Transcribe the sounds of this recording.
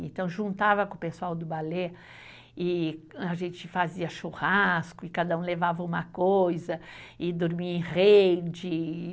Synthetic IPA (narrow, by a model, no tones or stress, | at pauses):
ẽt̪ɐ̃w̃ʒũnt̪avɐkõpesuawd̪ʊbale | ɪaʒẽnt͡ʃɪfaziɐʃuhaskʊɪkad̪ɐũlevavɐũmɐkojzɐ | ɪd̪oɾmiɐẽʁed͡ʒɪ